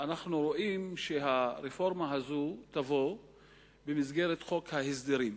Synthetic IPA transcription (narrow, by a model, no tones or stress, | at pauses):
ʔanaχnuɾo̞ʔimʃeɦaɾefo̞ɾmaɦazut̪avo̞ | bemizɡeɾet̪χo̞khahisd̪iɾim